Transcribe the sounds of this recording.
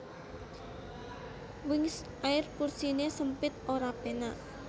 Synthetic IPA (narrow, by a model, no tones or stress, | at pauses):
wɪŋs | ʔaɪrpursinesəmpɪt̪̚oɾapenaʔ